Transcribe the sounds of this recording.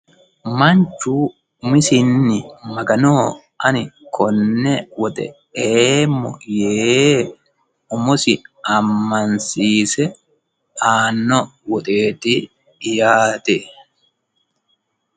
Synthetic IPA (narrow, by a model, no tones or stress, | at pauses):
mɐnt͡ʃːuː | mɪsɪnːɪmɐɡɐnoː | ʔɐnɪkʰɔnːɛwɔt̪ʼɛ̰ | emːɔ̰jeː | ʊmɔsɪɐmːɐnsiːsɛ | aːnːɔwɔt̪ʼeːt̪ɪː | jaːt̪e